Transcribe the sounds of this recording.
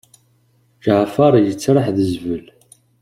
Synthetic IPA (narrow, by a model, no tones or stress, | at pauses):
ɡəʕfɑɾˤjət͡sːɾˤəħðəzvəl